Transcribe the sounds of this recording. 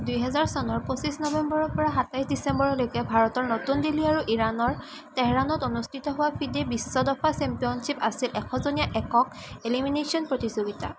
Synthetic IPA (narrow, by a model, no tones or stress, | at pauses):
dujɦɛzaɹsɔnɔɹposisnɔbɛmbɔɹɔɹpɔɹaɦatajsdisɛmbɔɹɔlojkɛbʱaɹɔtɔɹnotundiliaɹuʔiɹanɔɹ | tɛɦɹanɔtonustʰitɔɦʊwapʰidebisːɔdɔpʰasɛmpijɔnsipasilʔɛkʰɔzonijaʔɛkɔk̚eliminesʰiɔnpɹotizoɡita̰